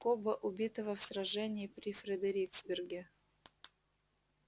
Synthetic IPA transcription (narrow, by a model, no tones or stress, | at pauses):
kobəʔʊbʲit̪əvəfsɾɐʐɛnʲɪːpɾʲɪfɾʲɪd̪əɾʲiksbʲɪrɡʲɪ